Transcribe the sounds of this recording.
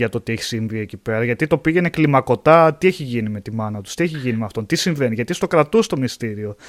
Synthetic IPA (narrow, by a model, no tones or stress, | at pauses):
ɐt̪ot̪ieçi̥siɱvie̞cipe̞ɾɐʝɐt̪it̪o̞piʝe̞ne̞klimɐko̞t̪ɐt̪ie̞çiʝinime̞t̪imɐnɐt̪u̥st̪ie̞çiʝinimeɐft̪o̞nt̪isiɱve̞niʝɐt̪ist̪o̞kɾɐt̪ust̪o̞mist̪iɾio